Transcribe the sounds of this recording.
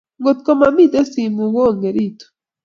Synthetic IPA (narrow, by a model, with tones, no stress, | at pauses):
ŋɡo˨tu˨ko˦ma˨mi˦˨te˦si˨mu˨woː˦˨ŋɡe˨ɾi˦˨to̥˨